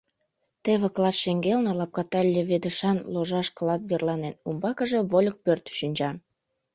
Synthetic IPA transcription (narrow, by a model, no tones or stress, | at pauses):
t̪eβĕklɑt̪ʃeŋɡelnelɑp̚kɑt̪ɑlʲːeβed̪ə̆ʃɑnloʒɑʃklɑt̪̚βerlɑnenumbɑkə̆ʒe̽βolʲək̚pørt̪ʃynʲt͡ɕɑm